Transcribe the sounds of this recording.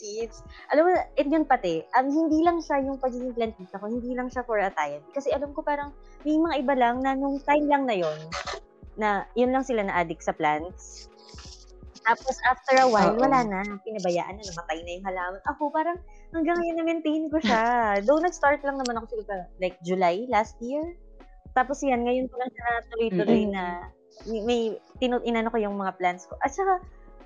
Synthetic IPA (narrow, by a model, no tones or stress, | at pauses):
isʔɐlamonɐʔɪt̪̚jonpɐt̪ɛʔɐmhɪnd̪iːlɐŋʃajʊŋpɐɡ̚ɪniplɐnt̪̚kiːt̪ɐko̞hɪnd̪iːlɐŋʃafɔɹʔɐt̪ajnkɐsɛʔɐlamko̞paːɾɐŋ | mɛjmɐŋaʔɪbalaŋnɐnʊŋt̪ajmlɐŋnɐjo̞nː | ɐjʊnlɐŋsɪlanɐʔaːd̪ɪksɐplant̪̚s | t̪aːposʔaft̪ɛɹɐwajlwɐlaːnɐpɪnɐbɐja̰ːʔɐ̰nːɐnɐmɐt̪ajnɐjʊŋhɐlaːmɐnɐkopaːɾɐŋ | hɐŋɡaŋːɐjonːɐmɛnt̪ehɪnkoʃad̪ɐwnɐɡ̚st̪aɹt̪lɐŋnɐmanɐko̞sɪlasɐlajk̚d͡ʒʊlajlast̪̚jiɹ | t̪aːposjanŋɐjonkolɐŋʃɐnɐt̪ʊlojt̪ʊlojnɐ | mɐjt̪ɪnoʔɪnɐnokojʊŋmɐŋaplant̪sko̞ʔɐt̪̚t͡ʃɐka